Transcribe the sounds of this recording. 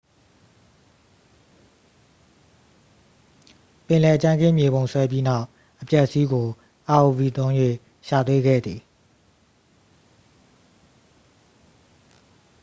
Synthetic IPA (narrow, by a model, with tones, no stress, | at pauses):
pɪ̃˨lɛ˨ʔə˨t͡ɕã˦ŋɡɪ̃˦˨mje˨bõ˨ʊ̃sʰwɛ˦p̬ji˦na˦ʊ | ʔəpja˦ʔəsi˦ɡo˨ | ʔa˨o˨vi˨t̪õ˦ʊ̃jwḛ˦˨ | ʃa˨t̪we˦ɡɛ̰˦˨d̪ði˨